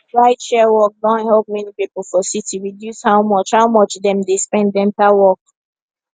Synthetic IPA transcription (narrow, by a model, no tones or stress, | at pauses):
ɹaɪtʃɛwɔk̚dɔ̃nhɛlp̚mɛnipipl̩fɔsitiɹidjushaʊmɔt͡ʃhaʊmɔt͡ʃdɛ̃mdespɛ̃ndɛ̃ntawɔk